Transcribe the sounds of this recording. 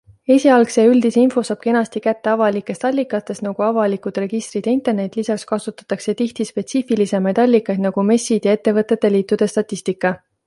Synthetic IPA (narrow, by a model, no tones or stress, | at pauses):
e̞ːsʲiɑlkse̞yld̪̥isinfo̞sɑːb̥̚ke̞nɑst̪ikæt̪ːe̞ɑvɑlikːˑe̞st̪ɑlʲːikˑːɑt̪ːˑe̞st̪nɑɡ̥uɑvɑlikud̪̥re̞ɡ̥ist̪rid̪̥int̪e̞rne̞d̪̥lisɑkskɑsut̪ːˑɑ̥t̪ːˑɑkse̞t̪iht̪ispe̞t̪siːfilise̞mɑjd̪ɑlʲːikːˑɑjd̪nɑɡ̥ume̞sːid̪̥jɑe̞t̪ːe̞vɤt̪ːˑe̞t̪ːe̞liːt̪ˑːud̪̥e̞st̪ɑt̪ʲːist̪ikːˑɑ